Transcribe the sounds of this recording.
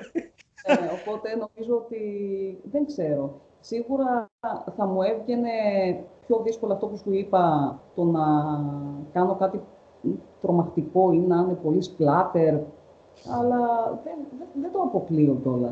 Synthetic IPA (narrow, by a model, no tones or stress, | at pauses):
neopo̞t̪e̞no̞mizo̞ot̪iðe̞ŋɡse̞ɾo̞ | siɣuɾɐθɐmue̞vʝe̞ne̞pço̞ðisko̞lɐːft̪o̞pusuipɐt̪o̞nɐ | kɐno̞kɐt̪i | t̪ɾo̞mɐxt̪iko̞inɐne̞po̞lisplɐt̪e̞ɾ | ɐlɐðenðeðed̪oɐpo̞kliot̪o̞lɐ̰